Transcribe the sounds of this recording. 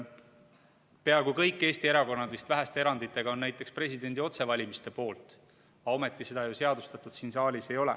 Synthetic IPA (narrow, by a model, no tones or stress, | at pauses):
pe̞ɑɡukɤjkːˑe̞ːst̪ie̞ɾɑko̞nːɑd̪vist̪væɦæst̪eeɾɑnd̪it̪ːˑe̞ɡ̥ɑo̞nːæjt̪ːˑe̞kspre̞sʲid̪e̞nd̪io̞t̪se̞vɑlʲimist̪e̞po̞ːlt̪ˑ | ɑo̞me̞t̪ˑːise̞d̪̥ɑjuse̞ɑd̪̥ust̪ɑt̪ːˑud̪̥siːnsɑːlʲise̞jo̞lɛ̰